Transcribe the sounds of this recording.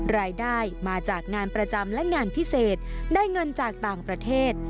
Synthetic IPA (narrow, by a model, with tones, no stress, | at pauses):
ɾaː˧jdaː˥˩jmaː˧t͡ɕaː˨˩k̚ŋaː˧npɾa˧t͡ɕa˧mlɛ˦˥ŋaː˧npʰi˦˥seː˨˩t̪̚daː˥˩jŋɤ˧nt͡ɕaː˨˩k̚t̪aː˨˩ŋpɾa˧t̪ʰeː˥˩t̪̚